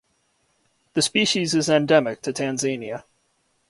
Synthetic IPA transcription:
ðɨspiʃizɨzɨ̃ndɛmɨk̚tʰɨtʰæ̃nzẽɪ̃njɨ

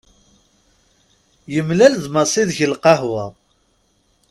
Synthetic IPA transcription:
jəmlælðmɑsˤiðçəlqɑhwɑ

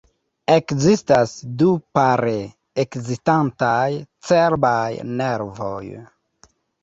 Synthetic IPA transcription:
ekzistasdupaɾe | ekzistantajt͡seɾbajneɾvo̞̰j

